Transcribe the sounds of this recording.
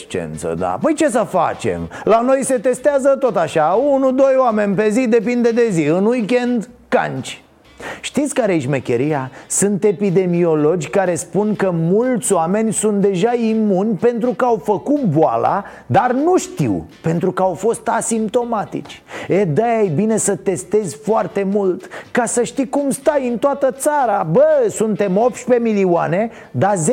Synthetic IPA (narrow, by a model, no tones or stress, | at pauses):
t͡ʃḛnt̪sə̰d̪a̰pəjt͡ʃe̞s̬əfa̰t͡ʃe̞̰mlano̞jse̞t̪e̞st̪eazət̪o̞t̪aʃaunud̪o̞joame̞nʲpe̞zid̪e̞pind̪e̞d̪e̞ziɨnwujkʲe̞nd̪ka̰nt͡ʃ | ʃt̪it̪sʲkaɾeʃmekʲe̞ɾijasunt̪e̞pid̪e̞mio̞lo̞d͡ʒʲkaɾe̞spunkəmult̪sʲoame̞nʲsunt̪̚d̪e̞ʒaimunʲpe̞n̪t̪ɾukəawfəkut̪̚boa̰la̰ | d̪arnuʃt̪ḭwpe̞nt̪ɾukəawfo̞st̪asimp̚t̪o̞mat̪ḭt͡ʃʲed̪ajajbine̞sət̪e̞st̪e̞zʲfoart̪e̞mult̪kasəʃt̪ikumst̪ajɨnt̪oat̪ət̪saɾabəsunt̪e̞mo̞p̪̚ʃpe̞miliuane̞ | d̪aze